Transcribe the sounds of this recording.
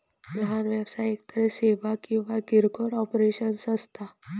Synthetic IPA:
məɦanʋebsajekt̪əɾeseːʋakĩʋaɡiɾɡoɽɔpɾeʃənsəst̪ʰa

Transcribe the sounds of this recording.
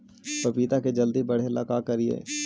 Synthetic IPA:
pɐpiːt̪aked͡ʒɐld̪ibɐɽ̤elakakɐɾiḛː

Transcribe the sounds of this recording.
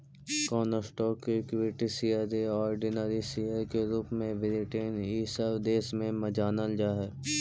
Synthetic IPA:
kɔːnəsʈɔːkːekʋɪːʈisiːəɾeɔːɾɖɪnəɾisiːjəɾkeɾuːpmẽʋɪɾɪʈeːniːsəʋd̪eːsmẽmɐd͡ʒaːnəld͡ʒaːɦɛː

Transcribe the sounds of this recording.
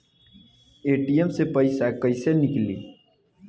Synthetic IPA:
eːʈiemsepəɪsakəɪsenɪklḭː

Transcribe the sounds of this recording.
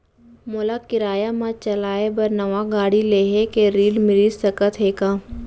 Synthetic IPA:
molakɪɾaːjamãt͡ʃɐlaːebɐɾnɐʋaɡaːɽileːɦekeɾiːlmɪɾisɐkət̪ɦeːkaː

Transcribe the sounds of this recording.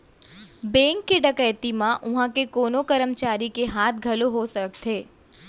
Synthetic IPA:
bɛ̃ŋkːeɖəkəjt̪imãʔʊ̃ɦãkekonokəɾəmt͡ʃaɾikeɦat̪̚ʰɡʱəloɦosək̚t̪ʰe

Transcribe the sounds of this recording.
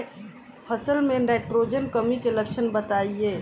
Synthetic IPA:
pʰɐsəlmẽnaɪʈɾoːd͡ʒənkəmikelɐkʃʰənbət̪aːieː

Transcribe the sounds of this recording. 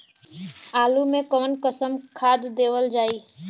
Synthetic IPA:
aːlumẽkəʋnkəsəmkʰaːd̪ːeːʋəld͡ʒaːi

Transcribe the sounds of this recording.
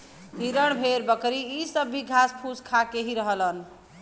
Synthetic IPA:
ɦiɾəɽ̃bʱeɾbəkɾiːsəbːiɡʱaspʰuskʰakeɦiɾəɦələn

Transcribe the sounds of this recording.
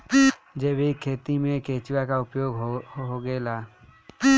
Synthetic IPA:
d͡ʒeːbʱikʰeːt̪imẽkeːt͡ʃɪwakaʊpjoːɡɦɦoɡɛːla

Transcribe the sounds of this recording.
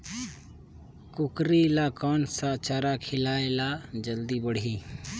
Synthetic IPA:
kʊkɾilaːkɔːnsat͡ʃaːɾakʰɪlaːelad͡ʒəld̪ibəɽ̤ʱiː

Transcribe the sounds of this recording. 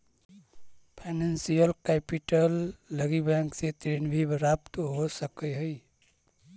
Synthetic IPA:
pʰanensijəlkepiʈəlːəɡibɛ̃ŋkset̪ɾenbʱibɾapt̪ɦosəkəɦəj

